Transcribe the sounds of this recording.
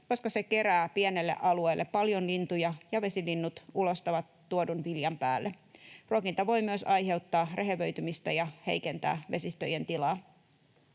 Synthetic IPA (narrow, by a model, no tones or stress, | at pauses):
ko̞skɑseke̞ɾæːpiene̞lːḛʔɑlue̞ːlːe̞ppɑljo̞nlint̪ujɑjɑʋe̞silinːut̪ulo̞st̪ɑʋɑt̪ːuodunʋiljɑmpæ̰ːlːe | ruokint̪ɑʋo̞jmyəsɑjɦe̞wt̪ːɑːreɦeʋøɥt̪ymist̪ɑjɑhe̞̰jkent̪æ̰ːʋe̞sist̪øjent̪ilɑː